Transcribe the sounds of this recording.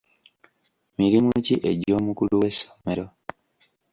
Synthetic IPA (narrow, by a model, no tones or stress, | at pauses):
miɾimuciʔe̞ɟo̞ːmukuluwe̞so̥me̞ɾo